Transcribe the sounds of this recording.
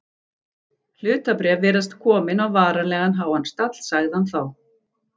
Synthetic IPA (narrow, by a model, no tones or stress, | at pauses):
l̥ʏːt̪apɾɛvvɛːɾast̪kʰɔːmɪnawvaːɾalɛːɣanɦaːwhanst̪at̪l̥saɣðɪhanθaw